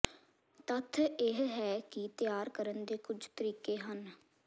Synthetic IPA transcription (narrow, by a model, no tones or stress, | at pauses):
t̪ət̪ʰeɦɦɛːkɪt̪ɪjaːɾkəɾənd̪eːkʊd͡ʒt̪əɾiːkeːɦən